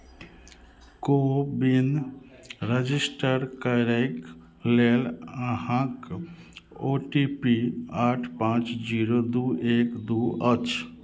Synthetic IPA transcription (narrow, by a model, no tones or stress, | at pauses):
kobin | ɾəd͡ʒɪsʈəɾkəɾek | lelhãk | oʈipiaːʈʰpãːt͡ʃd͡ʒiːɾod̪uːʔeːkd̪uːət͡ʃ